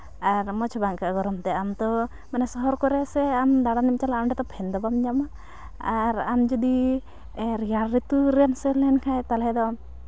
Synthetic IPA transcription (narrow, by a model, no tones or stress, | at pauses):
aɾmɔt͡ʃʰɔbaŋkaʔɡɔɾɔmt̪ɛamt̪ɔ | manɛsɔɦɔɾkɔɾɛsɛamd̪aɽanimt͡ʃalaːmɖɛt̪ɔpʰɛnd̪ɔbamɲama | aɾamd͡ʒɔd̪i | ɾiaɾɾit̪uɾansɛlɛnkʰajt̪alɦɛd̪ɔ